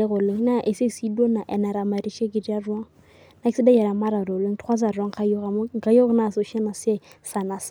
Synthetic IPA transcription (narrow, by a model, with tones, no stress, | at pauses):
ɪ˦ɣʊ˨lɪ˦na˦ʔe˨se˦si˦do˦na˨ʔɛ˨na˨ɾa˨ma˨ri˦ʃe˦kɪ˨di˦a˦rwa˦ŋ̩ | na˦ɪ˦sɪ˦da˦jɛ˨ɾa˨ma˦ɾa˨ɾɔ˨le˦ŋ̩˦tʰwa˦d͡za˨ra˦ŋ̩˨χʰa˦jo˦ɣa˨mʊ˦ŋ̩˨ka˦jo˦ɣʊ˦na˦˨so˨ʃɛ˦na˨se˦ | sa˨na˨s